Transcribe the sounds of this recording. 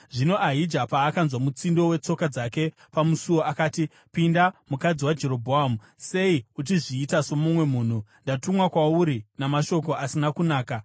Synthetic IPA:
ʐino̞ʔaɦid͡ʒapaːkanzwamut͡sindo̞we̞t͡so̞kad͡zake̞ | pamusuwo̞ʔakaːti | pindamukad͡ziwad͡ʒe̞ɾo̞bʱoamu | se̞iut͡ʃiʐiːtaso̞mumwe̞muːn̤undatumwakwauɾinamaʃo̞ko̞ʔasinakunaːka

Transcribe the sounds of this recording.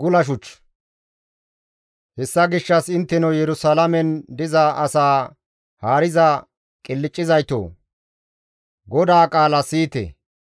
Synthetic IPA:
ɡʊlɐʃ̬ʊt͡ʃː | hɛsːɐɡɪʃːɐsɪnt̪ːɛnɐjɛɾʊsalɐmɛnd̪ɪzɐɐsaː | haːɾɪzɐ | kʼɪlːɪt͡ʃʼːɪzɐjt̪o̰ː | ɡɔd̪aːkʼaːlɐsiːt̪ḛ

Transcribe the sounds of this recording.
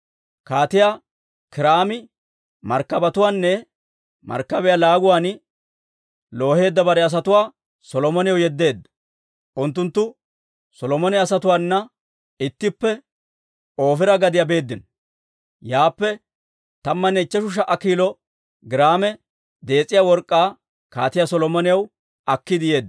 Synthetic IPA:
kaːt̪ɪjaː | kɪɾaːmɪ | mɐɾkːɐbɐt̪ʊwaːnːɛ | mɐ̰ɾkːɐbɛjalaːɡʊwaːn | lo̞ːhe̞ːd̪ːɐbɐɾɛɐs̬ɐt̪ʊwaː | sɔlɔmɔnɪjɔjɛd̪ːe̞ːd̪ːɐ̥ | ʔʊnt̪ːʊnt̪ːʊ | sɔlɔmɔnɛɐsɐt̪ʊwaːnːɐ | ɪt̪ːɪpːɛ | o̞ːfɪɾɐɡɐd̪ɪjabe̞ːd̪ːɪn | jaːpːɛ | t̪ɐmːɐnːɛɪt͡ʃːɛʃʊʃ̬ɐʔɐkːiːlɔ | ɡɪɾaːmɛ | d̪e̞ːt͡sʼːɪjawɔɾkʼːaː | kaːt̪ɪjasɔlɔmɔnɪjɐw | ɐkːɪd̪ɪje̞ːd̪ːɐ

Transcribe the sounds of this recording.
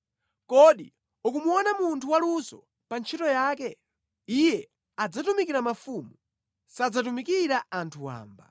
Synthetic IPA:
kɔɗi | ukumuɔnamuntʰuwalusɔ̰ | pant͡ʃʰitɔjaːkɛ | ijɛ | ad͡zatumikiɾamafumu | sad͡zatumikiɾaʔantʰuwa̰ːmba̰

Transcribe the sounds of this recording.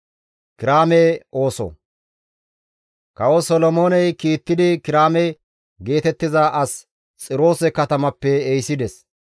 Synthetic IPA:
kɪɾaːmɛʔo̞ːsɔ̰ | kɐwɔsɔlɔmo̞ːnɛjkiːt̪ːɪd̪ɪkɪɾaːmɛ | ɡe̞ːt̪ɛt̪ːɪzaːʔɐs | t͡sʼɪɾo̞ːsɛkɐt̪ɐmɐpːɛːjsɪd̪ɛs

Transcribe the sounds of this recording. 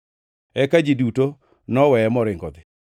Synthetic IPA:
ɛkad͡ʒiduto | nɔwɛɛmɔɾɪŋɡɔd̪ɪ

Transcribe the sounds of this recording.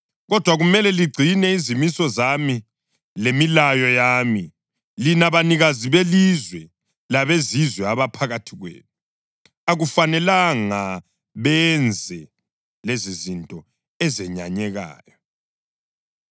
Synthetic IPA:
ɣɔd̥ʱwaɣumɛlɛliɡ͡ǀʱinɛizimisɔzami | lemilajɔjaːmi | linaβaniɣaziβelizwɛ | laβezizwɛaβapʰaɣatʰiɣwḛːtʰu | aɣufanɛlaŋa | βɛnd͡zʱɛ | lezizintʼɔ | ɛzɛɲa̰ɲɛɣa̰ːjɔ

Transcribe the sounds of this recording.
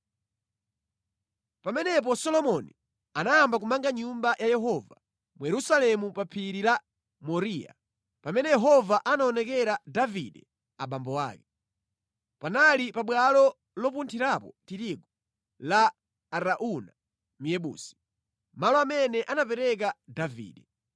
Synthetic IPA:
pamɛnɛp̬ɔsɔlɔmɔni | anajambakumaŋɡaɲumbajʔajɛɦɔva | mujɛɾusalɛmupapʰiɾila | mɔɾiːja̰ | pamɛnɛjɛɦɔvaʔanaɔnɛkɛɾadavḭdɛ | aɓambɔwa̰ːkɛ | panalipaɓwalɔ | lɔpuntʰiɾapɔtiɾiɡɔ | laː | ɾaʔuna | mijɛɓṵːsi̥ | malɔamɛnɛʔanapɛɾɛk̬adavḭːɗɛ

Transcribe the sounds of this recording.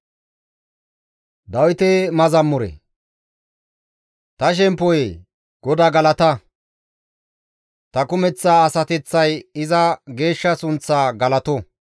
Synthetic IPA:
d̪ɐwɪt̪ɛmɐzɐmːʊɾɛ̰ | t̪ɐʃ̬ɛmpːɔj | ɡ̥ɔd̪aːɡɐlɐt̪ɐ | t̪ɐkʊmɛt͡sːaːsɐt̪ɛt͡sːɐjɪzɐɡe̞ːʃːɐsʊnt͡sːaːɡɐlɐt̪ɔ

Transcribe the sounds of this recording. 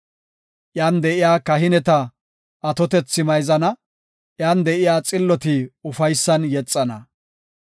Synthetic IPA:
ʔjaːnd̪ɛʔɪjaːkɐɦɪnɛt̪ɐ | ʔɐt̪ɔt̪ɛt͡sːɪmɐjzɐnɐ | ʔjaːnd̪ɛʔɪjaːt͡sʼɪlːɔt̪ɪʊfɐjsːɐnjɛt͡sʼːɐnɐ̰

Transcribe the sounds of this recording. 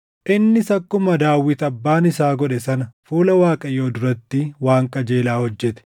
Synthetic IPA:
ʔɪnːɪsɐkːʊmɐd̪aːwːɪt̪ɐbːaːnɪsaːɡɔᶑɛsɐnɐfuːlɐwaːkʼɐjo̞ːd̪ʊɾɐt̪ːɪwaːŋkʼɐd͡ʒe̞ːlaːhɔd͡ʒːɛt̪ɛ̥

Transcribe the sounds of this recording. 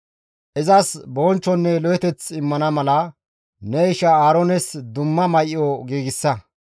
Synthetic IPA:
ʔɪzɐsboːnt͡ʃːɔnːɛlɔjɛt̪ɛt͡sɪmːɐnɐmɐlɐ | nɛɪʃɐaːɾoːnɛsd̪ʊmːɐmɐjʔɪjɔɡiːɡɪsːɐ

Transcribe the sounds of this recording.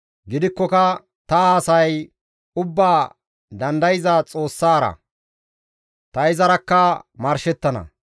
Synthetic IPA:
ɡɪd̪ɪkːɔkɐ | t̪ɐːsɐj | ʊbːaː | d̪ɐnd̪ɐjɪzɐt͡sʼo̞ːsːaːɾɐ̰ | t̪ɐɪzɐɾɐkːɐmɐɾʃɛt̪ːɐnɐ̰

